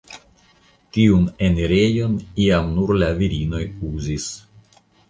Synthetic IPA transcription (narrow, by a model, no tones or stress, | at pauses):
tiune̞neɾe̞jo̞niamnuɾlaviɾino̞juzis